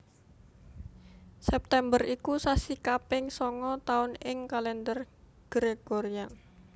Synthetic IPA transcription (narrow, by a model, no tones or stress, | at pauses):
sɛp̚t̪ɛmbərikusasikapɪŋsɔŋɔt̪aʊnɪŋkalɛnd̪ər | ɡ̥ɾeɡ̥oɾia